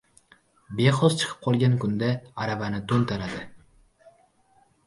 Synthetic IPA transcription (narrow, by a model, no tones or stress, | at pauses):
be̞χɒzt͡ʃʰɨ̥qʰɨ̥p̚qʰɒlˠɡʲankʰʊnd̪aaɾavanɪt̪ʰont̪ʰalad̪ɪ